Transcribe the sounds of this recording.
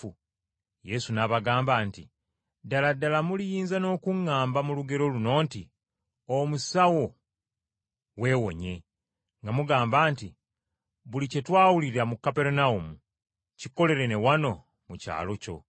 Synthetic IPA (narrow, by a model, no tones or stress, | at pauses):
u | je̞sunaβaɡaːmbaːnti | daladːalamulijiːnzano̞ːkuŋːaːmbamuluɡe̞ɾo̞luno̞ːnti | omusawo̞ | we̞ːwo̞̰ɲe̞ | ŋɡamuɡaːmbaːnti | βulice̞twaːwuliɾamukːape̞ɾunaumu | ciko̞le̞ɾe̞ne̞wano̞ | muca̰ːlo̞co̞̰